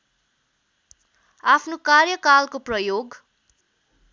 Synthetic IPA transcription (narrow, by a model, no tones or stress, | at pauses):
apʰnokarjʌkalkoprʌjoɡ